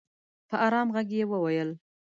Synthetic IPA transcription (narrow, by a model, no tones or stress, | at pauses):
pəʔɑɾɑmɣaɡjewəwajəl